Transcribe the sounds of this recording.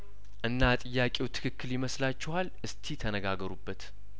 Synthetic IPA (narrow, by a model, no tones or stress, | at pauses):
ʔɨnːat̪ʼɨjːakʼewt̪ʰɨ̥kʰɨkːɨljɪməslat͡ʃːɪwalʔɨst̪ʰit̪ʰənəɡaɡəɾubːət̪